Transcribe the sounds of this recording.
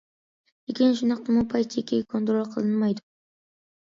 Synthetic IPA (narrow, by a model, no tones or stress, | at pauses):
ekʲʰɪnʃʊnɑq̚t̪ʰamʊpʰajt̪t͡ʃʰekʲʰːeɡʲkʰo̞nt̪ɾolʲˠqʰɨlˠɪnmajd̪ʊ